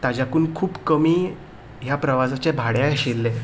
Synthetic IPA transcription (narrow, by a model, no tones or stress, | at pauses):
t̪ad͡ʑakuːnkʰuːpkəmiː | ɦjapɾəʋasat͡ɕebʱaɽjaɕelːe